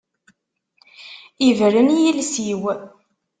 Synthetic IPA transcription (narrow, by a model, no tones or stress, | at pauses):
ivɾənjilsiw